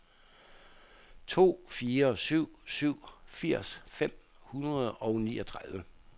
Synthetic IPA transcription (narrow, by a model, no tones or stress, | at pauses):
t͡sʰo̝̰ːfiːɐsyʊ̰syʊ̰fiɐ̰sfem̰ | hunʁɐð̞̩ˠɒ̽ʊniːɒ̽t͡sʰʁaðˠʋə